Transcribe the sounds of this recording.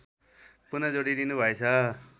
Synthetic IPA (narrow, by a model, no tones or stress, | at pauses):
punʌd͡zoɽid̪inubʱʌet͡sʰʌ